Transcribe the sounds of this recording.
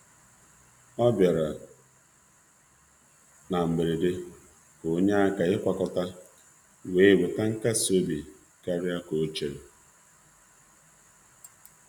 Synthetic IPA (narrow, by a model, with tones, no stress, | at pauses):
ɔ˦bja˨ɾa˨ | na˨m̩˨be˨ɾe˨dɪ˦ | ko˨˦ɲe˦a˦ka˨ɪ˦kʷa˨kɔ˨ta˦ | we˦˨bʊ˨ta˦ŋ̩˦ka˦so˦bi˨ | ka˦ɾja˦ko˨˦t͡ʃe˨ɾe˨